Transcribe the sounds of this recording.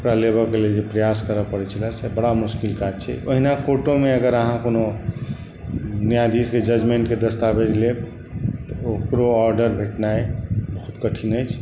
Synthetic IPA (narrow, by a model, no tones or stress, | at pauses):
ukɾalebəkeled͡ʒepɾəjaskəɾəpəɽɛt͡ʃʰəlasɛbəɽamuskilkad͡ʒt͡ʃʰɛ̰oɦinakoʈõmeəɡəɾəɦãkono | nijad̪isked͡ʒəd͡ʒmeɳʈked̪əst̪abed͡ʒle | t̪ɔokɾoɔɾɖəɾbʱeʈnaebəɦut̪kəʈʰinəjt͡ʃʰ